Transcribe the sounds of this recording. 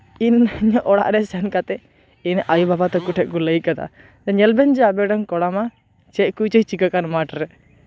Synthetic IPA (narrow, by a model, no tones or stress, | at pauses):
inɲəʔɔɽa̰ʔɾɛsɛnkat̪ɛ | inʔajubabat̪ɛkuʈʰɛʔkuləjkad̪a̰ | t̪ɛɲɛlbɛnd͡ʒɛabɛɖankɔɽama | t͡ʃɛʔkut͡ʃəjt͡ʃikakanmaʈɾɛ